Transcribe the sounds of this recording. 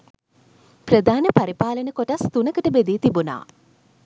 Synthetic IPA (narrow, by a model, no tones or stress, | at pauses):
prəd̪ʱaːnəpaɾipaːlənəkoʈast̪unəkəʈəbed̪iːt̪ibuna̰ː